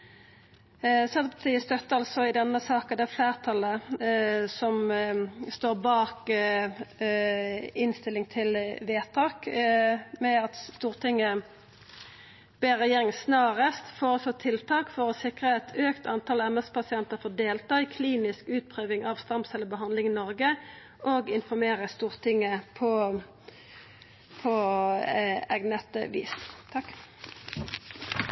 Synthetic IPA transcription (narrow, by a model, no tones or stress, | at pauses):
sɛpʰɑt̪ʰiːəst̪œt̪ːəɑlsɔɪd̪ɛnːəsɑːkəd̪ɛæfleːʁt̪ʰɑlə | sɔm | st̪oːʁbɑːk | ɪnst̪ɪlɪŋt̪ʰɪlʋeːt̪ʰɑːk | mɛɑt̪st̪uːʁt̪ʰɪŋːə | b̥eːɾʁɛjeːɾɪŋəsnɑːʁəst̪foːɔsɔt̪ʰɪlt̪ʰɑːkfɔʁɔsɪkʁəɛt̪ʰøːkt̪ʰɑnt̪ʰɑːlɛmɛspʰɑsɪɛnt̪əfoːd̪eːlt̪ɑːikʰliːnɪskʉːt̪̚pʰʁøːʋɪŋɑːʋst̪ɑmsɛləbəɦɑnd̪lɪŋɪnɔʁɡə | ʔoɡɪnfɔʁmeːʁəst̪uːʁt̪ʰɪŋːəpʰɔ | pʰɔ | ɛɡnət̪ə̰ʋḭːst̪ʰɑkː